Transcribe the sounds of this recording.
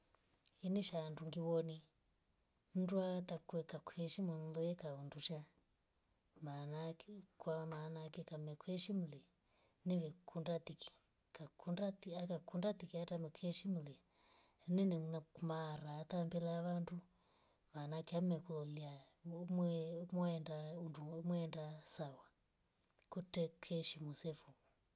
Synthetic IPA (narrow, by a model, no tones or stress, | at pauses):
iniʃanduŋɡiβɔni | m̩duat̪akuɛkakuhɛʃimɛn̩lɔjɛkaunduʃa | manakwamanakɛkamɛkuɛʃim̩lɛ | nɛβɛkʰundat̪iki̥ | kakundatiakakundat̪ikiatamɛkʰɛʃimulɛ | nɛnɛnamaɾaːt̪ambɛlaʋandu | manakiamɛkulɔliamɛmɔɛndaundumwɛɛndasawa | kutɛkʰɛʃimusɛfu